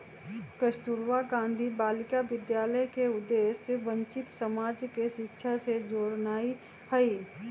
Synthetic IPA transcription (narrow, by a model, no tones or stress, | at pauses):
kəʃt̪uɾʋaɡãːnd̪ʱibaːlɪkaʋɪd̪jaːləjkeʊd̪ːeːsːeʋə̃ɲt͡ʃɪt̪səmaːd͡ʒkeʃɪkʃʰased͡ʒoːɾnaːi | həi